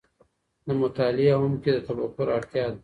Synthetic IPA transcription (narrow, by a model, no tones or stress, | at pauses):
namʊt̪ɑːlɪaɦʊmked̪ət̪abakʊɾaɽt̪jɑːd̪a